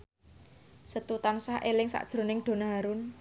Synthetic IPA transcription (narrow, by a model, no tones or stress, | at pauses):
sət̪ut̪ansaʔelɪŋsa̰ʔd̥ʒ̥ɾo̤nɪŋɖ̪̥o̤naɦaɾʊn